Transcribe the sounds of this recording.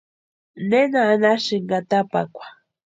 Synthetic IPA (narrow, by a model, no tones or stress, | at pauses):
nenaːnaʃɪŋɡat̪apa̰kʷḁ